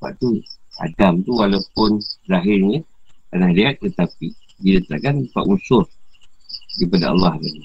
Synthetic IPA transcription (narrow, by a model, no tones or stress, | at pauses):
ba̰ʔ̚t̪ua̰damt̪uwalawpʊnzaɦɪrɲaanahliat̪̚ːət̪api | dinat̪a̰kanpa̰ʔunsʊr | kipada̰ɑ̰lːɑhdani